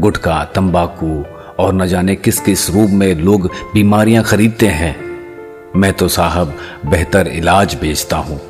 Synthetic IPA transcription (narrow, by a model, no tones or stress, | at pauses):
ɡʊʈʰkat̪ɐ̃mbaːku | ɔːɾnɐd͡ʒaːnekɪskeɪsɾuːpmẽloːɡbiːmaːɾijãxɐɾiːd̪̚t̪eɦɛ̃ː | mɛ̃ːt̪osaːɦəbːɛɦt̪əɾɪ̰laːd͡ʒbʱeːd͡ʒt̪aɦũː